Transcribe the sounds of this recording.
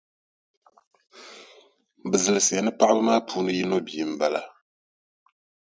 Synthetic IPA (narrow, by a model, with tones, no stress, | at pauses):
bɨ˨zɨ˨lɨ˨sɨ˨ja˨nɨ˦pa˦ʔbɨ˦maː˦pʰuː˦nɨ˦ji˦no˦bi˨m̩˨ba˨la̰˨